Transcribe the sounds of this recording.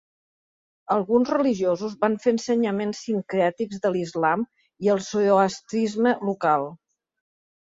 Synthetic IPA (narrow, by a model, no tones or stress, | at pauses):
əlˠɣunzrəliʒiozuzβanfeənsəɲəmensːiŋkɾɛt̪ikzðəlizlam | iəlˠsooast̪ɾizməlukalˠ